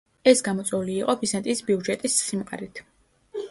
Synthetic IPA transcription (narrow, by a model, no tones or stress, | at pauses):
ɛsɡamɔt̪sʼɛuliːqʼɔbizant̪ʼisbiud͡ʒɛt̪ʼisːimqʼa̰ɾit̪ʰ